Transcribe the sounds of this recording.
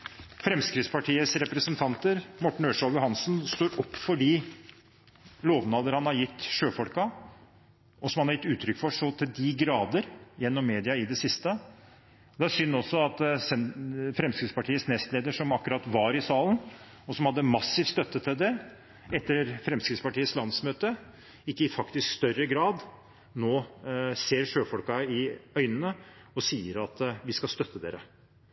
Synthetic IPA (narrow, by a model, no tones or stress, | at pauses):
fɾɛmskɾɪt̪spʰɑʈʰiːəsɾɛpɾəsənt̪ʰɑnt̪əɾmɔʈːɳ̩øːʂɑljʊhɑnsnst̪oːɾɔpːfɔɖi | loːʋnɑːd̪əɾhɑnhɑɾjɪt̪ːʃøːfɔlkɑ | ɔsɔmhɑnhɑɾjɪt̪ːʉːt̪ʰɾʏkfɔʂɔt̪ʰɪld̪ɪɡɾɑːd̪əɾjɛnːɔmːeːd̪ɪɑɪd̪ɛsɪst̪ə | d̪ɛæsʏnːɔsːɔɑt̪sɛfɾɛmskɾɪt̪spɑʈʰiːət̪snɛst̪leːd̪əʂɔmɑkːʉɾɑt̪ʋɑɾɪsɑːlən | ɔsɔmhɑd̪ːəmɑsːɪft̪st̪œt̪ːət̪ʰɪld̪ɛ | ɛt̪ːəɾfɾɛmskɾɪt̪spɑʈiːət̪slɑnsmøːt̪ə | ɪkːəɪfɑkt̪ɪskst̪œrəɡɾɑːd̪ | noːseːɾʂøːfɔlkɑɪœʏnənəɔsiːəɾɑt̪ʋɪskɑst̪œt̪ːəd̪ḛːɾə